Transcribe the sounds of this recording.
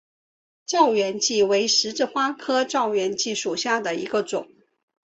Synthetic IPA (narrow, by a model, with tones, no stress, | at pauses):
ʈ͡ʂɑ˥˩ʊɥɛ˧˥nt͡ɕi˥˩we˧˥ɪʂɻ̩˧˥ʈ͡ʂɻ̩˥˧xwa˥kʰɤ˥ʈ͡ʂɑ˥˩ʊɥɛ˧˥nt͡ɕi˥˩ʂu˨˩ɕja˥˩d̪ə˩ḭ˧˥ɡə˧ʈ͡ʂʊ˨˩˦ŋ